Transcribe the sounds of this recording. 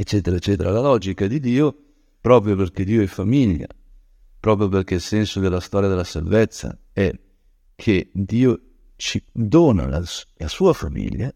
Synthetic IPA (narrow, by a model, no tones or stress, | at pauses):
et͡ʃːɛːt̪eɾaet͡ʃːɛːt̪eɾalalɔːd͡ʒikad̪id̪iːo | pɾɔːpɾjoperk̟ed̪iːoɛfamiʎːa̰ | pɾɔːp̬ɾjoperk̟eilsɛnsod̪elːast̪ɔːɾjad̪elːasalvet̪sːa̰ | ɛ | kʰed̪iːo | t͡ʃid̪oːna̰lalasuːafamḭʎːa